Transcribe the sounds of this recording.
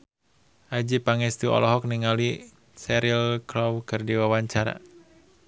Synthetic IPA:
ʔad͡ʒipaŋɛst̪uɔ̰lɔɦɔk̚niŋali | sɛɾilkɾɔwkərdiwawaɲt͡ʃaɾa̰

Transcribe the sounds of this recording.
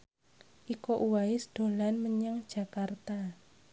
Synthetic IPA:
ʔikoʔuwaɪsd̪̥o̤lanməɲaŋd̥ʒ̥a̤kart̪a

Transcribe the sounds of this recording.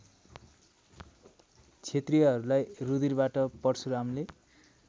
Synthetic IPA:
t͡sʰet̪riʌɦʌɾulajrud̪irbaʈʌpʌɽt͡sʰuɾamle

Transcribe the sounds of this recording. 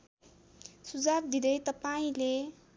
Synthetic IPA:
sud͡zab̚d̪id̪ʌjt̪ʌpaĩle

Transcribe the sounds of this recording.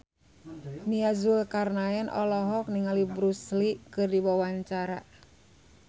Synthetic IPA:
niazulkarnaɛnʔɔ̰lɔɦɔk̚niŋalibɾuslikɨrdiwawaɲt͡ʃaɾa

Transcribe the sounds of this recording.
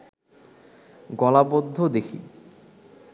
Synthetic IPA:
ɡɔlabod̪ʱːod̪ekʰḭ

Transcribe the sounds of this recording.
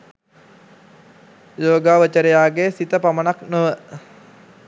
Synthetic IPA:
joːɡaːʋət͡ʃəɾejaːɡesit̪əpamənaknoʋə

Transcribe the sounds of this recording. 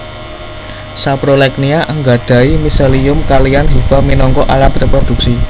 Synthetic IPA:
sapɾolɛkniaʔəŋɡa̤ɖ̥a̤imiseliʊmkalianɦifaminɔŋkɔʔalat̪repɾod̪̥ṳk̚si

